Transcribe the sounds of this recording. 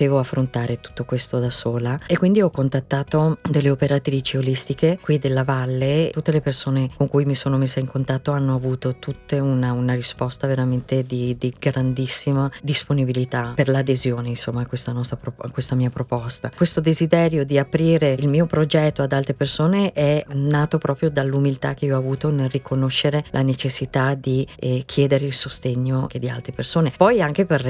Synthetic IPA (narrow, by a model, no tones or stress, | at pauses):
eːvoafːɾont̪aːɾet̪u̥t̪ːokwest̪od̪asoːlaekːwind̪iɔkːont̪at̪ːaːt̪od̪elːeopeɾat̪ɾiːt͡ʃiolist̪ikekwid̪elːavalːeut̪ːelepersoːnekoŋkujmisoːnomesːeiŋkont̪at̪ːoanːoavuːt̪ot̪ut̪ːeunaunarispɔst̪aveɾament̪ed̪id̪iɡɾand̪isːimad̪isponibilit̪aperlad̪ezjoːneinsomːaːkwest̪anɔst̪ɾapɾoakwest̪amiːapɾopɔst̪akwest̪od̪ezid̪ɛːɾjod̪iapɾiːɾeilmiːopɾod͡ʒɛt̪ːoad̪alt̪ɾepersoːneʔɛnːaːt̪opɾʔɔːpɾjod̪alːumilt̪ak̟ːeiːɔavuːt̪onelrikʰonoʃːeɾelʔanet͡ʃesːit̪ad̪ik̟ʰjɛːd̪eɾeilsost̪eɲːoed̪ia̰lt̪ɾepersoːnepɔjaŋk̟eper